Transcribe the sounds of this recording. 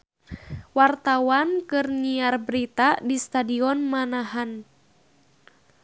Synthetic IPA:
wart̪awankɨrɲiarbɾit̪adist̪adiɔnmanaɦan

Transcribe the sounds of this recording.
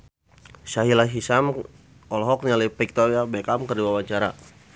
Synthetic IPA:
saɦilaɦisam | ɔlɔɦɔk̚nialipik̚t̪oɾjabekamkərdiwawaɲt͡ʃaɾa̰

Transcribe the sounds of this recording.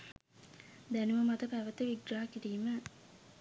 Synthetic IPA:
d̪ænuməmat̪əpæʋət̪əʋiɡɾaːkiɾiːmə

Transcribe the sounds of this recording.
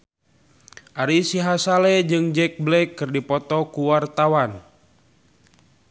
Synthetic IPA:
ʔaɾisiɦasalɛd͡ʒɨŋd͡ʒɛk̚blɛkːɨrdipɔt̪ɔkuwart̪awan

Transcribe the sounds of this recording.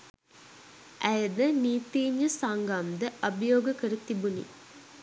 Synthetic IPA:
ʔæjəd̪əniːt̪iːɲːəsaŋɡɐmd̪əʔɐbɐjoːɡəkəɾət̪ibunḭ

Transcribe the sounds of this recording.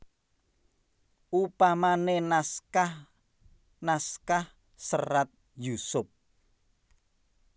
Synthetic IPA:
ʔupamanenaskah | naskah | sə̰rat̪̚ | jusʊp̚

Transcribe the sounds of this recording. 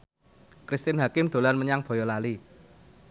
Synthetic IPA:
kɾist̪ɪnɦakɪmd̪̥o̤lanməɲaŋb̥ɔ̤jɔlali

